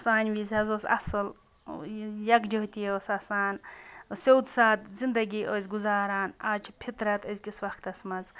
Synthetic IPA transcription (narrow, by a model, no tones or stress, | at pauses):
saːnʲʋizʲɐzoːsɐ̰sɨl | jɐkd͡ʒoɦt̪ʲijoːsɐsaːnsowd̪saːt̪zind̪ɐɡʲiːʔozʲɡuzaːɾaːnaːt͡ʃʰpʰit̪ɾɐt̪əzʲkʲisʋɐxt̪ɐsmɐt͡s